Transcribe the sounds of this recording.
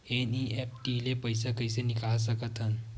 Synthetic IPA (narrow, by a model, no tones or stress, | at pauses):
eniɛp̚ʈilepəjs̬əkəjsenikʰaɭs̬əkət̪ən